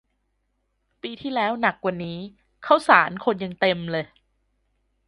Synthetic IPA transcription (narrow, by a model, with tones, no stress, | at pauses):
piː˧t̪ʰiː˥˩lɛː˦˥wna˨˩k̚wa˨˩niː˦˥ | kʰa˦˥˩wsaː˩˦nkʰo˧nja˧ŋt̪e˧mlɤː˧j